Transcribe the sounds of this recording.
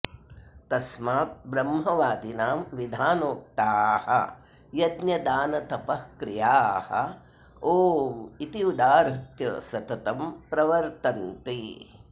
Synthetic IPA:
t̪ɐsmaːt̪̚bɾɐmɦɐʋaːd̪inaːmʋid̪ʱaːnoːk̚t̪aːhɐ̰ | jɐd̪njɐd̪aːnɐt̪ɐpɐhkɾijaːhɐ̰ | oːmit̪iud̪aːɾɐt̪jɐsɐt̪ɐt̪ɐmpɾɐʋɐɾt̪ɐnt̪i

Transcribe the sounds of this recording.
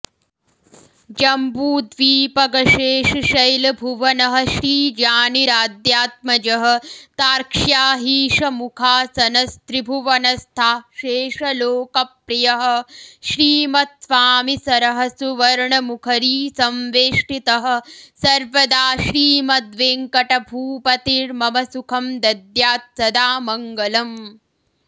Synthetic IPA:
d͡ʒɐmbuːd̪ʋiːpɐɡɐʃeːʃɐʃɐjlɐbʱuʋɐnɐɦɐ̆ʃɾiːd͡ʒaːniɾaːd̪jaːt̪̚mɐd͡ʒɐɦɐ̆t̪aːɾkʂjaːɦiːʃɐmukʰaːsɐnɐst̪ɾibʱuʋɐnɐst̪ʰaːʃeːʂɐloːkɐpɾijɐɦɐ̆ʃɾiːmɐt̪̚sʋaːmisɐɾɐɦɐsuʋɐɾɳɐmukʰɐɾiːsɐmʋeːʂʈit̪ɐɦɐ̆sɐɾʋɐd̪aːʃɾiːmɐd̪ʋeːŋkɐʈɐbʱuːpɐt̪iɾmɐmɐsukʰɐmd̪ɐd̪jaːt̪̚sɐd̪aːmɐŋɡɐlɐm

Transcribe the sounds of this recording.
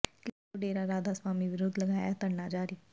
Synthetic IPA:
kle | ʊɖeːɾaɾaːd̪aːswaːmiʋɪɾʊd̪ləɡaːjat̪əɽnaːd͡ʒaːɾiː

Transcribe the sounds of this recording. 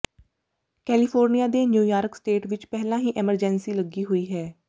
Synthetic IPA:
kɛːlɪpʰoːɾnijaːd̪eːnjuːjaːɾksʈeːʈʋɪt͡ʃpɛːɦlãːɦiːʔɛməɾd͡ʒɛnsiːləɡiːɦoːiːɦɛː

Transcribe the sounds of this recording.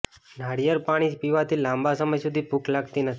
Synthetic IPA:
nʱaɽijəɾpaɽ̃id͡ʒpiʋat̪ʰilãmbasəməjsud̪ʱipuklaɡt̪inət̪ʰi

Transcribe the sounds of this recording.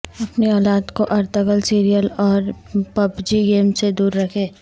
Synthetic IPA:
ɐpniɔːlaːd̪koʔɐɾt̪əɡəlsiːɾijəlɔːɾ | pɐbd͡ʒiɡeːmsed̪uːɾːɐkʰẽː

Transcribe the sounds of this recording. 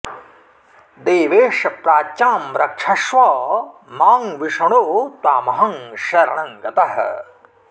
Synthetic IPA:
d̪eːʋeːʂɐpɾaːtːaːmɾɐkʂʰɐʃʋɐmaːŋʋiʂɐɳoːt̪aːmɐɦɐŋʃɐɾɐɳɐŋɡɐt̪ɐɦɐ̰

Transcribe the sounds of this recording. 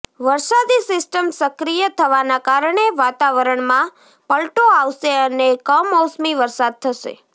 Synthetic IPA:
ʋəɾsad̪isɪsʈəmsəkɾijət̪ʰəʋanakaɾəɳeʋat̪aʋəɾəɳmã | pəlʈoaʋʃeənekəmɔsmiʋəɾsad̪̚t̪ʰəʃḛ

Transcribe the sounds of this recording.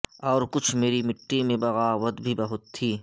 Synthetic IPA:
ɔːɾkʊt͡ʃʰmeːɾimɪʈːimẽbɐɣaːʋət̪bʱibɐɦʊt̪ʰːiː

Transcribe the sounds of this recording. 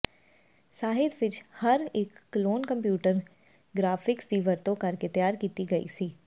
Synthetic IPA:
saːɦɪd̪ʋɪt͡ʃhəɾɪkːloːnkə̃mpjuːʈəɾ | ɡɾaːfʰɪksd̪iːʋəɾt̪õkɐɾket̪ɪjaːɾkiːt̪iɡəḭːsiː

